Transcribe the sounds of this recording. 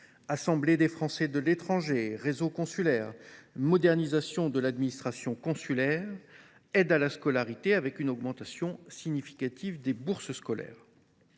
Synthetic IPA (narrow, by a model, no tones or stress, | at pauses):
asɑ̃bled̪efχɑ̃sɛd̪əlet̪χɑ̃ʒeʁezokɔ̃sylɛʁmɔd̪ɛʁnizasjɔ̃d̪əlad̪minist̪χasjɔ̃kɔ̃sylɛʁ | ɛd̪alaskɔlaʁit̪eavɛkynɔɡmɑ̃t̪asjɔ̃siɲifi̥kat̪ʰivd̪ebuʁsəskɔlɛ̰ːʁ